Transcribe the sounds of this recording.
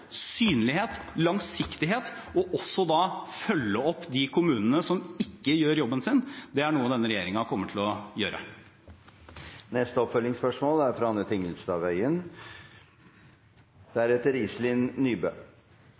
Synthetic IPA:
syːnəlɪheːt̪lɑŋsɪkt̪ɪɦeːt̪ɔʔɔsːɔd̪ɑfœlːəɔpːd̪ɪkʰʊmʉːnənəsɔmɪkːəjøːɾjɔbːənsɪnd̪ɛæɳuːəd̪ɛnːəɾɛjeːɾɪŋɑkʰɔmːəʈ̪ʰɪlɔjøːɾʔə̰ | nɛst̪əɔpfœlːɪŋspœʂmoːlæɾfɾɑɑnət̪ʰɪŋəlsd̪ɑːʋæʏən | d̪̥æɾɛt̪ːəɾɪslɪnːyːbøː

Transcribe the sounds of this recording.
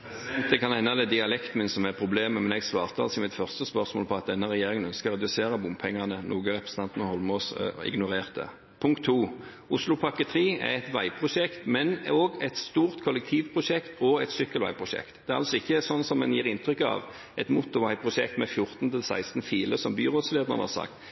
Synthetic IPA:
d̪ɛkʰɑnhɛnːəd̪ɛd̪ɪɑlɛkt̪mɪnsɔmæʁpʰɾʊbleːməmɛnɛɡsʋɑːʁt̪əɑ̰lsɔmɪt̪fœʁst̪əspœʁsmoːlpʰɔɑt̪̚d̪ɛnːəʁɛjeːʁɪŋənœnskəʁːɛd̪ʉseːɾəbʊmpʰɛŋːɑnənʔuːɡəɾɛpɾəsn̩ɑnt̪ənɔhɔlmɔsɪ̰ɡnʊɾeːʁt̪ə̰ | pʰʊŋk̚t̪ʰːuː | ʊslʊpʰɑkːət̪ʰɾiːæ̰ɛt̪ʋæɪpʰʁʊʃɛkt̪mɛnoːɡɛt̪st̪uːɾt̪kʰɔlɛk̚t̪ʰiːʋpʰʁʊʂɛkt̪ɔɛt̪sʏkːəlʋæ̰ɪpʰʁʊʃɛ̰kt̪d̪̥ɛæʁɑ̰lsɔɪçːəsɔnːsɔmɛnjiːɾɪnt̪ʰɾʏkːɑ̰ːʋ | ʔɛt̪muːt̪ʊʋæɪpʰʁʊʃɛ̰kt̪mɛfjʊɾt̪nt̪ʰɪlsæ̰ɪst̪n̩fiːləsɔmbyːʁoːd̪sleːd̪əʁənəhɑ̰ɾsɑ̰kt̪

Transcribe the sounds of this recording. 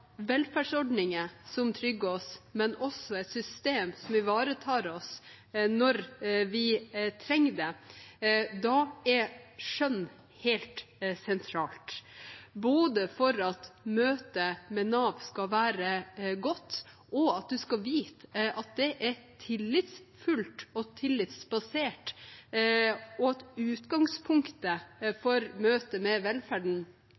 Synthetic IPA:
ʋɛlfæɖʂɔɖnɪŋəsɔmt̪ʰɾʏɡːəɔsmɛnɔsːɔɛt̪sʏst̪eːmsɔmʋɪʋɑːɾət̪ʰɑːɾɔs | nɔɾʋɪt̪ʰɾɛŋːd̪ɛ | d̪ɑɛɾʂœnː | hɛlt̪sɛnt̪ʰɾɑːlt̪ | boːd̪əfɔɾɑt̪møːt̪əmɛnɑʋskɑʋæːɾəɡɔt̪ː | ʔɔɑt̪̚d̪ʉskɑʋiːt̪ʔɑt̪̚d̪ɛʔæɾtʰɪlːɪt̪sfʉlt̪ɔt̪ʰɪlːɪt̪sbɑseːʈ | ɔɑt̪ʉːt̪ɡɑŋspʰʊŋkt̪əfɔɾmøːt̪əmɛʋɛlfæɖɳ̩

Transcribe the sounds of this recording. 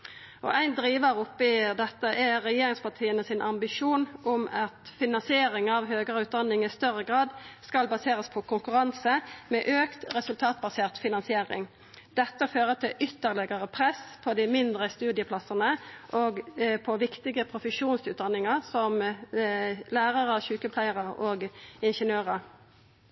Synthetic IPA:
ʔɔ̰ʔæɪnd̪ɾiːʋəɾʊpːɪd̪ɛt̪ːəʔɛɾɛjeːɾɪŋspʰɑʈ̪ʰiːənəsɪnʔɑmbɪʂuːnʔʊmɑt̪fɪnɑnsɪeːɾɪŋɑʋɦøːɡəɾəʉːt̪̚d̪ɑnːɪŋɪst̪œʁəɡʁɑːd̪skɑlbɑseːɾəspʰɔkʰʊŋkʉɾɑnsəmɛʔøːkt̪ɾɛsʉlt̪ʰɑːt̪̚bɑseːʁt̪fɪnɑnsɪeːɾɪ̰ŋ | d̪̥ɛt̪ːəføːʁət̪ʰɪlʔʏt̪ːəʁlɪɡəʁəpʰʁɛspʰɔd̪ɪmɪnd̪ʁəst̪ʉːd̪ɪəpʰlɑsənəʔoːɡpʰɔʋɪkt̪ɪɡəpʰʁʊfəʂuːnsʉːt̪̚d̪ɑnːɪŋəʁsɔm | læːʁəʁɑɕʉːkəpʰlæɪəʁəoːɡɪnʂənøːʁə

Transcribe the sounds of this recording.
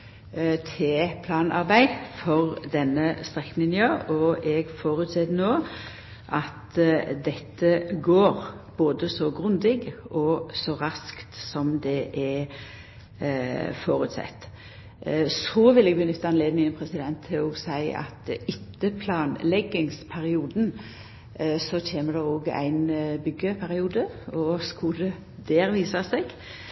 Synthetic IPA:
t̪ʰɪpʰlɑːnɑʁbæɪfɔʁd̪ɛnːəst̪ʁɛkːnɪnøːɔɛɡfoːɾʉt̪sɛt̪ənoː | ʔɑt̪d̪ɛt̪ːəɡoːɾb̥oːd̪əsɔɡʁʉnd̪ɪɡʔɔsɔʁɑskt̪sɔmd̪ɛʔɛ | foːɾʉt̪sɛ̰t̪ː | sɔʋɪlɛːɡbənʏt̪ʰːɑɛnleːd̪nɪŋənpʰɾɛsɪd̪ɛnt̪ʰːɪlɔːɡsæɪɑ̰t̪ɪt̪ːəpʰlɑːnlɛɡːɪŋspʰæɾɪuːd̪n | sɔt̪ʰeːməd̪ɛoːɡæ̰ɪnbʏɡːəpʰæɾɪuːd̪əɔskʊd̪ɛ | d̪eːɾʋiːsɑseːɡ̥

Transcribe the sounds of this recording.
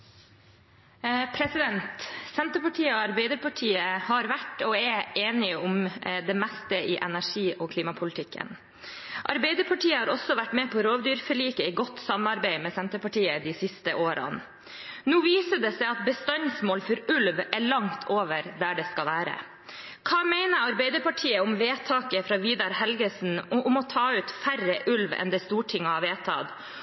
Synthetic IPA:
pʰɾɛsɪd̪ɛnt̪sɛnt̪əpɑʈʰiːəɔɑɾbɛɪd̪əɾpɑʈʰiːəhɑɾʋæʈɔɛʔeːnɪʊmd̪ɛmɛst̪əɪʔɛ̰næʂiːʔɔːkʰliːmɑpʰʊlɪt̪ʰɪkʰːə̰n | ʔɑ̰ɾbɛɪd̪əɾpʰɑʈiːəhɑɾɔsːɔʋæʈːmeːpʰɔɾoːʋd̪yːɾfɔɭiːkəɪɡɔt̪ːsɑmɑɾbæɪmɛsɛnt̪əpɑʈiːəd̪ɪsɪst̪əʔoːɾʔɑ̰n | nuːʋiːsəd̪ɛsæɪɑt̪̚bəst̪ɑnsmoːlfɔɾʉlʋæɭɑŋt̪ʰoːʋəɾd̪æɖɛskɑlʋæːɾə̰ | kʰɑːmæɪnəɾɑɾbæɪd̪əpɑʈʰiːəʊmʋeːt̪ʰɑːkəfɾɑːʋiːd̪ɑɾhɛlɡəsn̩ʊmɔt̪ʰɑːʉːt̪fæɾəʔʉlʋɛ̰nd̪ɛst̪uːʈʰɪŋːəɑʋeːt̪ʰɑ̰ːd̪

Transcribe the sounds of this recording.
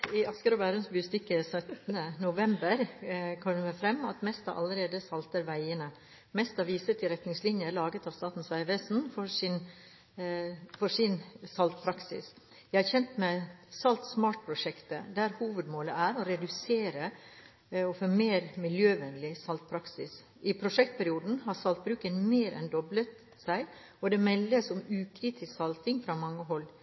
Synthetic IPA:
ɪɑskəɾɔʋæːɾənsbɪʊst̪ɪkːəsœt̪nənʊʋɛmbəɾkʰɔməmɛfɾɛmːɑt̪mɛst̪ɑʔɑ̰ləɾeːd̪əsɑlt̪əɾʋæɪənə | mɛst̪ɑʋiːsət̪ʰɪɾɛt̪nɪŋslɪnjəlɑːɡət̪ɑʋst̪ɑːt̪n̩sʋæɪʋeːsn̩fɔɾsɪn | fɔʂɪnsɑlt̪̚pʰɾɑksɪ̰s | jæɪhɑɾçɛnt̪mæɪsɑlt̪smɑːʈpʰɾʊʂɛkt̪əd̪æɾhuːʋəd̪moːləæɾɔɾɛd̪ʉseːɾə | ɔfoːmeːɾmɪljøːʋɛnlɪsɑlt̪̚pʰɾɑksɪs | ʔɪpʰɾʊʂɛk̚t̪̚pʰæɾɪuːd̪n̩hɑɾsɑlt̪̚bɾʉːkənmeːɾʔɛ̰nd̪ɔblət̪ | sæɪ | ɔd̪ɛmɛlːəsʊmʉːkʰɾiːt̪ʰɪsksɑlt̪ɪŋfɾɑmɑŋːəɦɔlː

